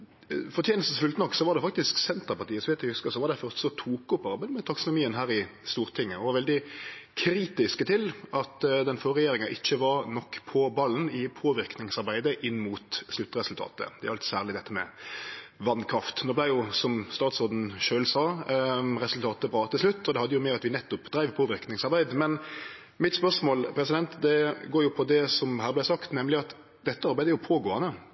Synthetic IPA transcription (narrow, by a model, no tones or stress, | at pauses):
fɔʁt̪jeːnəst̪əsfʉlt̪nɔkːsɔʋɑɾd̪ɛfɑkt̪ɪsksɛnt̪əpɑʁt̪iːəsɔʋhɛːt̪ɛhʉskəsɔʋɑɾd̪æɪfœʁt̪sɔt̪ʰuːkʊpːɑʁɑbəmɛt̪ʰɑksɔnʊmiːənɦæːɾɪst̪uːɾt̪ʰɪŋːəɔʋɑɾʋɛld̪ɪkʰɾiːt̪ɪskət̪ʰɪlɑt̪d̪ɛnfɔʁɛjeːɾɪŋɑʔɪçːəʋɑɾnɔkːpʰɔbɑlːənɪpʰoːʋɪɾknɪŋsɑɾbæɪd̪əʔɪnːmuːt̪slʉt̪ːʁɛsʉlt̪ʰɑ̰ːt̪ə̰d̪ɛæɾɑlt̪sæːʁlɪd̪ɛt̪ːəmɛ̰ | ʋɑnkʰɾɑft̪noːblæɪjʊsɔmst̪ɑːt̪sɔːʁd̪n̩ʃøːlsɑː | ɾɛsʉlt̪ʰɑːt̪əbɾɑːt̪ɪslʉt̪ːɔd̪ɛhɑd̪ːəjʊmɛɑt̪ʋɪnɛt̪ːʊpd̪̥ɾæɪʋpʰoːʋɪɾknɪŋsɑɾbæɪd̪mɛn | mɪt̪spœʁʂmoːlpʰɾɛsɪd̪ɛnt̪d̪ɛɡoːɾjʊpʰɔd̪ɛsɔmɦæːʁblæɪsɑkt̪nɛmlɪɑt̪ | d̪ɛt̪ːəɑɾbæɪd̪əɾjʊpʰoːɡoːɑnə